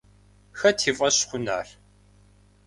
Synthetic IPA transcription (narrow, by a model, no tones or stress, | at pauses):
xɐtʰiːfʼɐɕχʷʊna̰ːr